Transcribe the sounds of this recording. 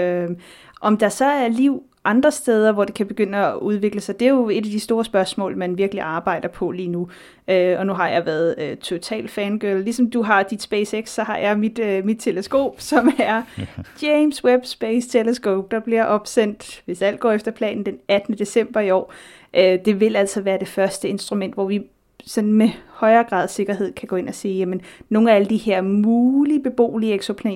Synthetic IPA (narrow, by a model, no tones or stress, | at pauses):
ø | ʔɒ̽md̥ɑ̈sɒ̽æɐliʊ̰ | ʔɑ̈nd̥ʁɐsd̥eːð̞ˠɐʋɒd̥e̝kʰæb̥e̝ɡ̥øn̰əɒʔuð̞ˠʋe̝ɡ̥ləsɑ̈ɪd̥e̝jo̝e̝d̥æd̥isd̥o̝ːɐsb̥ɶɐsmɔ̰̽ːlmænʋiɐɡ̥əliɑ̈ːb̥ɑ̈ɪ̰d̥ɐpʰɒ̽liːnu | øɒ̽nuɦɑ̈jɑ̈ɪʋæːɐð̩ˠøt͡sʰo̝t͡sʰɛ̰ːld̥fɛnɡ̥øllisɒ̽md̥uɦɑ̈d̥id̥sb̥eɪseɡ̥sːɒ̽hɑ̈jɑ̈ɪmid̥mid̥̚t͡sʰe̝ləsɡ̥o̝̰ːb̥sɒ̽mæɐd̥eɪmsweb̥sb̥eːst͡sʰeləsɡ̥o̝̰ːb̥̚d̥ɑ̈b̥liɐʔɒ̽b̥sen̰d̥ʋe̝sæl̰̥ɡ̥ɒ̰ːefd̥ɐpʰlɛ̰ːn̩d̥enæd̥ənəd̥e̝sem̰b̥ɐiɒ̰ː | ʔød̥e̝ʋe̝læl̰sɒ̽ʋæːɐd̥e̝fɶɐsd̥əe̝nsd̥ʁumen̰d̥ʋɒʋi | sɒ̽nn̩mehɒ̽ɪɐːɡ̥ʁɑ̰̈ːð̰ˠse̝ɡ̥ɐɦe̝ð̞̰ˠkʰæɡ̥ɔ̽ːe̝nɒsiːjæmənno̝ːææləd̥ihe̝ɐ̰muːlib̥e̝b̥o̝̰ːlieɡ̥so̝pʰlɛ̰ː